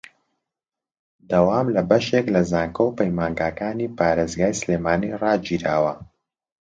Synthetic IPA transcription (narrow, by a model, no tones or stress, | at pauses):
d̪ɐwaːmlɐbɐʃeklɐzaːŋkɐwpəjmaːŋɡaːkaːniːpʰaːɾeːzɡaːjsleːmaːniːrɑːd͡ʒiːɾaːwɐ